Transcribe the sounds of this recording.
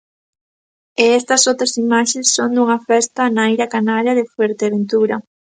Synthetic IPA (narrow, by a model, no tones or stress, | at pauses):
eɛst̪ɐsowt̪ɾɐsimaʃesːond̪uŋɐfɛst̪ɐnaejɾɐkanaɾjɐðɪfweɾt̪eaβent̪uɾɐ